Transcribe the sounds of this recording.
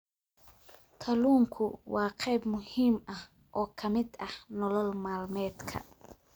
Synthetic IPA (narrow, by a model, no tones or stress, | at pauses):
kʰɐluːŋkʰʊwɑːqɛjbmʊhiːmɐh | ʔɔːkʰɐmɪd̪ɐhnɔlɔlmaːlmɛːd̪kʰɐ̰